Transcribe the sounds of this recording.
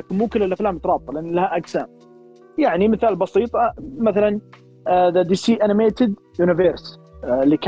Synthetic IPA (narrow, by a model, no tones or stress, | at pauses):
akɪnmuːkɪlːɪlʔaflaːmt̪ɑɾˤɑːb̚t̪ˤɑlɪʔanːalahaʔaɡsaːm | jaʕnimɪθaːlbɑsiːt̪ˤɑmaθalan | ðad̪iːsiːʔanɪmeːt̪ɪd̪ | junɪveɾs | lːik